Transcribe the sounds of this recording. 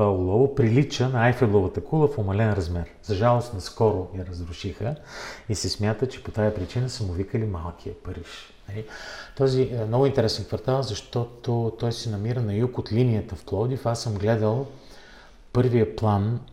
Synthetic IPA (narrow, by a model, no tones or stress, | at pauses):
alˠɔvopɾilit͡ʃənɐajfɛd̪lˠovət̪əkulˠəfomɐlɛnɾɐzmɛɾz̥ɐʒalˠost̪nɐskɔɾojɐɾɐzɾʊʃixəisɛsmʲjat̪ət͡ʃɛ̥pot̪ajəpɾit͡ʃinəsəmʊvikəlimalˠkʰiəpəɾiʃ | nɐlit̪ɔzimnɔɡʊint̪ɛɾɛsɛnkvɐɾt̪alˠzɐʃt̪ɔt̪ot̪ɔjsɛnɐmiɾənɐjukot̪linijət̪əfplˠɔd̪ifasːəmɡlɛd̪əlˠ | pɤɾvijəplˠan